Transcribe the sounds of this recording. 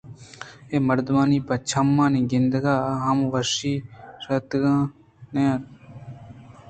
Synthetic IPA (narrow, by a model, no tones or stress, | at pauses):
eːməɾd̪maːniːpɐt͡ʃʰəmːãːnẽːɡɪnd̪ɡaːɦɐmʋəɾʃiːsət̪ɡãː | nẽː